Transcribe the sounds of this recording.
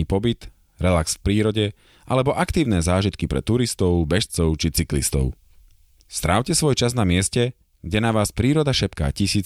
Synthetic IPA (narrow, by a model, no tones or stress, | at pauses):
iːpɔbit̪ | ɾɛlaksfpɾiːɾɔɟɛ | ʔa̰lɛbɔʔakt̪iːʊnɛːzaːʒit̪kipɾɛ̰t̪uɾist̪ɔʊbɛʃt͡sɔʊt͡ʃit͡siklḭst̪ɔ̰ʊ | st̪ɾa̰ʊcɛsʋɔjt͡ʃaznamɪɛscɛ | ɡɟɛnaʋaːspɾiːɾɔd̪aʃɛpka̰ːcisiː